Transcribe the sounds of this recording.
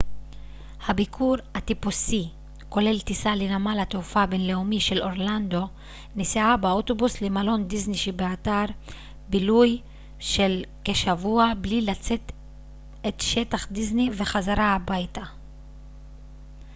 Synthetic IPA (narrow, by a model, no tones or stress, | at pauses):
habikʰuʁat̪ipusi | ko̞le̞ltisalenamalatufabe̞nle̞umiʃe̞lo̞ʁland̪o̞ | niseabeoto̞buslemalo̞ndizniʃibeataʁ | biluj | ʃe̞lke̞ʃavuablilat͡se̞t | etʃe̞taχd̪izniveχazaɾaabajta